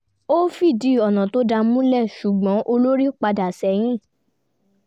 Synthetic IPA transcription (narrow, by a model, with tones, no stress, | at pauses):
o˦fi˦˨di˨˦ɔ˨nã˨to˨˦da˧mũ˦lɛ˦˨ʃu˨ɡ͡bɔ̃˨˦ʔo˧lo˦ɾi˦k͡pa˧da˨sɛ˨˦j̃ĩ˦˨